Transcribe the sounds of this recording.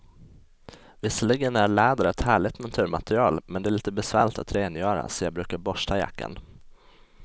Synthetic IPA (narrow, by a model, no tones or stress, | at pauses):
vɪsəlɪɡənæɾɭæːd̪aɾɛt̪hæːɭɪt̪nant̪ʰʉ̟ːɾmat̪ɾɪɑːlmɛnd̪ɛæɭiːt̪əbɛsvæːɭɪt̪at̪ɾeːnjœːɾa̰sɔjɑbɾʉ̟ːkaɾbɔʂʈ̪ʰaja̰kːa̰n